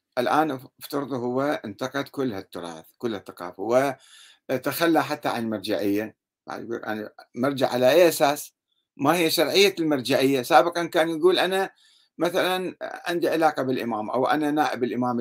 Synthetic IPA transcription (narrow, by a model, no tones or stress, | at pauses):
ʔɪlʔaːnʔaft̪ɑɾˤɨðˤhʊwːaʔɪnt̪ɑqɑd̪kʊlːhat̪ːʊɾˤɑ̰ːθkʊlːhaθːḁqɑ̰ːfawɪ | t̪axalːaħat̪ːaʕa̰nlmɑɾˤd͡ʒaʕɪjːa | ba̰ʕ̰ɡukʔa̰namɑɾˤd͡ʒaʕːalaʔeːʔasaːs | mahɪjːaʃɑɾˤʕɪjːalmɑɾˤd͡ʒaʕɪjːasaːbɪqɑnkaːnjaɡuːlʔana | maθalanʕɪ̰nd̪iʕɪlaːqɑbɪlʔɪmaːmʔa̰wʔa̰nanaːʔɪbɪlʔɪmaːm